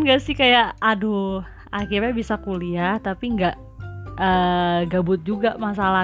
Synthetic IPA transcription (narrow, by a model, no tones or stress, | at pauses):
nɡaʔsɪhkajaʔadu | akirɲabisakuliaht̪apiŋɡaʔ | əɡabʊt̪̚d͡ʒuɡamas̬ala